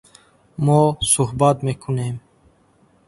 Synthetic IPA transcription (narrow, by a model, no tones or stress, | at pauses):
moːsuhbat̪mekʰunem